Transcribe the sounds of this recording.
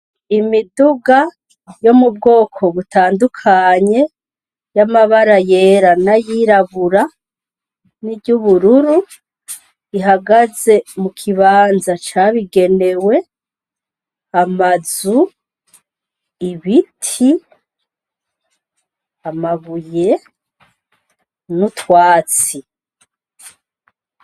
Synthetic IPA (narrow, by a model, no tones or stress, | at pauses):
imiduɡa | jo̞mub̚ɡo̞ːkʰo̞βutʰaːndukʰaɲe̞ | jamaβaɾaje̞ːɾanajiɾaβuɾa | niɟuβuɾuɾu | iɦaɡaze̞mukʰiβaːnzat͡ʃaβiɡe̞ne̞we̞ | amazu | iβitʰi | amaβuje̞ | nutwaːt͡si